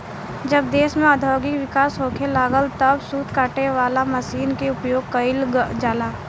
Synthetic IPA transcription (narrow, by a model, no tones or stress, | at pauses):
d͡ʒəb̚d̪eːsmẽad̪ʱɔːɡɪkʋɪkaːsɦoːkʰelaːɡəlt̪əbsuːt̪kaːʈeʋaːlamɐʃiːnkeʊpjoːɡkəɪld͡ʒaːlaː